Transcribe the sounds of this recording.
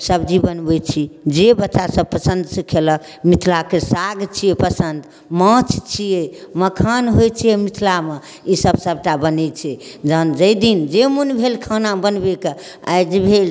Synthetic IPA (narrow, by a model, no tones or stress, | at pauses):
səbd͡ʒibənbɛt͡ʃʰid͡ʒebətːt͡ʃasəb̚pəsə̃nd̪səkʰelək | mit̪ʰlakesaɡt͡ʃʰijepəsənd̪ | mə̃t͡ʃʰt͡ʃʰijeməkʰanɦojt͡ʃʰijemit̪ʰlame | isəbsəb̚ʈabənɛt͡ʃʰɛd͡ʒənd͡ʒəjd̪ind͡ʒemunbʱelkʰənabənbeke | a̰jd͡ʒebʱel